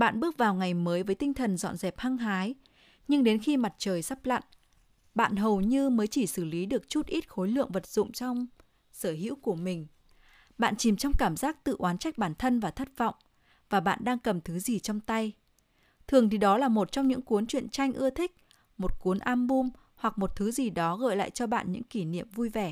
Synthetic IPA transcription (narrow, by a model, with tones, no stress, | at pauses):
ɓa̰ː˧˨nɓɨ˦˥ək̚vaː˨˩wŋa˨˩jməː˨˦jvəː˨˦jt̪ï˧ŋ̟t̪ʰə˨˩nzɔ̰˧˨nzɛ˨˩p̚ha˧ŋɦaː˨˦j | ɲɨ˧ŋɗe˨˦nxi˧ma˨˩t̚t͡ɕəː˨˩jsa˦˥p̚la̰˧˨n | ɓa̰ː˧˨nɦə˨˩wɲɨ˧məː˨˦jt͡ɕi˧˩sɨ˧˩li˨˦ɗɨ˨˩ək̚t͡ɕu˦˥t̚ʔi˦˥t̚xo˨˦jlɨ̰˧˨əŋvə˨˩t̚z̥ʊ̰˧˨ŋ͡mt͡ɕɔ˧wŋ͡m | səː˧˩ɦḭ˧˥wku˧˩əmï˨˩ŋ̟ | ɓa̰ː˧˨nt͡ɕi˨˩mt͡ɕɔ˧wŋ͡mkaː˧˩mzaː˦˥k̚t̪ɨ̰˧˨ʔwaː˨˦nt͡ɕa˦˥k̟̚ɓaː˧˩nt̪ʰə˧nvaː˨˩t̪ʰə˦˥t̚vɔ̰˧˨wŋ͡m | vaː˨˩ɓa̰ː˧˨nɗaː˧ŋkə˨˩mt̪ʰɨ˨˦zi˨˩t͡ɕɔ˧wŋ͡mt̪a˧j | t̪ʰɨ˨˩əŋt̪ʰi˨˩ɗɔ˨˦laː˨˩mo˨˩t̚t͡ɕɔ˧wŋ͡mɲɨ̰˧˥ŋku˨˦ənt͡ɕwḭ˧˨ənt͡ɕa˧jŋ̟ʔɨ˧ət̪ʰï˦˥k̟̚ | mo˨˩t̚ku˨˦ənʔaː˧mɓu˧m | hwa˨˩k̚mo˨˩t̚t̪ʰɨ˨˦zi˨˩ɗɔ˨˦ɣə̰ː˧˨jla̰ː˧˨jt͡ɕɔ˧ɓa̰ː˧˨nɲɨ̰˧˥ŋki˧˩nḭ˧˨əmvu˧jvɛ˧˩